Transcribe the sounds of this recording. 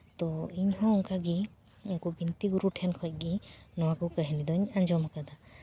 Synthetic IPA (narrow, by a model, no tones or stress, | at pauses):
t̪ɔiɲhɔ̃ɔŋkaɡi | uŋkɔbint̪iɡuɾuʈʰɛnkʰɔc̚ˀɡinɔwakɔkəɦɛnid̪ɔɲaɲd͡ʒɔmakad̪a